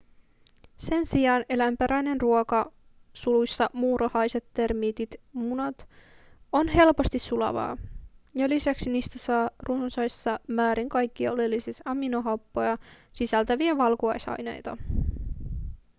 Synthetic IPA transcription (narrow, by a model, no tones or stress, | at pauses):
se̞nsiɑːne̞læmpeɾæjne̞nruokɑ | sulujsːɑmuːrʔohɑjse̞t̪ːe̞rmiːt̪it̪munɑt̪ | o̞nɦe̞lpo̞st̪isːulɑ̰ʋɑ̰ːjɑlisæksiniːst̪æsɑːrunsɑjsːɑmæːɾiŋkɑjkːiɑo̞lelːisisɑminoɦɑpːo̞jɑsisælt̪æʋiæʋɑlkuɑjsɑ̰jne̞̰jt̪ɑ